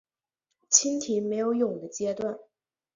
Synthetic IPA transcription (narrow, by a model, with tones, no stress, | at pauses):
t͡ɕʰi˥nt̪ʰi˧˥me˧˥ɪjo˧˥ʊjʊ˨˩ŋd̪ə˦t͡ɕjɛ˥t̪wa˥˩n